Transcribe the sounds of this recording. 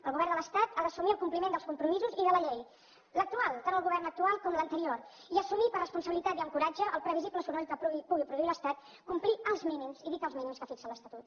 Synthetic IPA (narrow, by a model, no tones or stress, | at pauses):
əlˠɣuβɛrd̪ələst̪at̪aðəsumiəlˠkumplimend̪əlˠskumpɾumizuziðələʎej | lək̚t̪ualˠt̪anəlˠɣuβɛrnək̚t̪ualˠkɔmlənt̪əɾioriəsumipərrəspunsəβilit̪at̪iəŋkuɾad͡ʒəʔːlˠpɾəβizipləsuɾɛlkəpupuɣipɾuðuiləst̪at̪ | kumpliəlˠzminimziðik̪əlˠzminimskəfiksələst̪ət̪ut̪